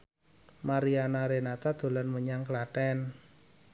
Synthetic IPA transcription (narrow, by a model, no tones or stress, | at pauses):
maɾianaɾenat̪ad̪̥o̤lanməɲaŋklaʈɛn